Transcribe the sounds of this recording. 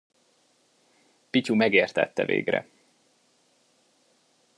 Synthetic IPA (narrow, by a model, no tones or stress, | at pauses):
picumɛɡeːrt̪ɛ̰t̪ːɛvḛːɡrɛ̰